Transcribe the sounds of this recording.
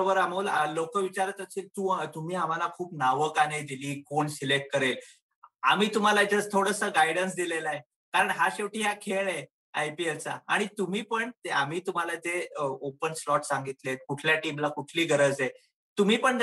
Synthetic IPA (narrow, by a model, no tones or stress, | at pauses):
bəɾam̤uːllokəʋit͡ɕaɾət̪əsiːlt̪ut̪um̤iːam̤alakʰuːpnaʋəkaned̪iliːkoɳsilek̚ʈ̚kəɾel | amiːt̪um̤alad͡zəst̪ʰoɽəsəːɡajɽəns̬d̪ilelae | kaɾəɳɦaɕeʋʈiːɦakʰeɭe | ajpielt͡sa̰a̰ɽ̃it̪um̤iːpəɳt̪eam̤iːt̪um̤alad͡z̪eəopənslɔʈsaŋɡit̪let̪̚kuʈʰljaʈimlakuʈʰliːɡʱəɾəd͡ze | t̪um̤iːpəɳ